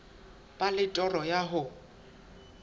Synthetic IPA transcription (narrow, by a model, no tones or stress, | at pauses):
pʼalɪtʼɔrɔjaɦʊ